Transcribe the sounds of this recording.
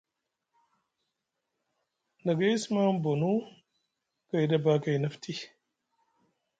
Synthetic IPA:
na˨ɡa˦ji˦sma˦mbo˨nu˦ | ka˨jda˦ba˦ka˨jnɐ˦ftʰi˦

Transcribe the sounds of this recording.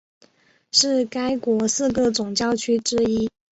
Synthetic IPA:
ʂɻ̩˥˩ka˥ɪkwɔ˧˥sɹ̩˥˧kɤ˥˩t͡sʊ˨˩ŋt͡ɕjɑ˥˩ʊt͡ɕʰy˥ʈ͡ʂɻ̩˥i˥

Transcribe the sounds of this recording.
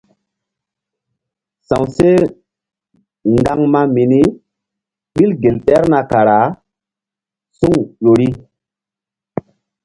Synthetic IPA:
sã˨wse˦ | ŋɡa˦ŋma˦mi˨ni˦ | ɓi˦lɡe˨lɗɛ˦ɾna˨ka˨ɾa˨˦ | su˦ŋjo˨ɾi˦

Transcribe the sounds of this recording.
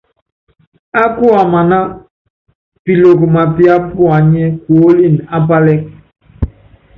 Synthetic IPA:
a˦ku˦a˨ma˨na˦ | pi˨lo˨kma˨pi˦a˦pu˦a˨ɲɛ˦kwo˨o˦li˦˨na˦pa˦lɛ˦k̚

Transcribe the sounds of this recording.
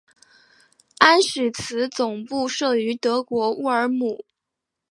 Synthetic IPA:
a˥nʂɻ̩˨˩t͡sʰɹ̩˧˥t͡sʊ˨˩ŋpu˥˧ʂɤ˥˩y˧˥t̪ɤ˧˥kwɔ˧˥u˥ə˞˧˥mu˨˩˦

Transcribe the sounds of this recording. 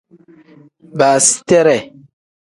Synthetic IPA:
ba˨si̥˦tɛ˦ɾɛ˨

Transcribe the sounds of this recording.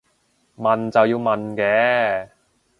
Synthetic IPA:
mɐ˨nt͡sɐ˨wjiː˧wmɐ˨nkɛː˨˥

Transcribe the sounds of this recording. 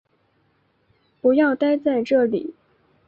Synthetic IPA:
pu˧˥jɑ˥˩ʊt̪a˥ɪt͡sa˥˧ɪʈ͡ʂɤ˥˩lḭ˨˩˦

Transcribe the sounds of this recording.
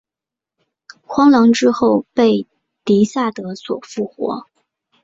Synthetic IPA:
xwɑ˥ŋlɑ˧˥ŋʈ͡ʂɻ̩˥xo˥˧ʊpe˥˩ɪ | t̪i˧˥sa˥˩t̪ɤ˧˥swɔ̰˨˩fu˥˩xwɔ̰˧˥

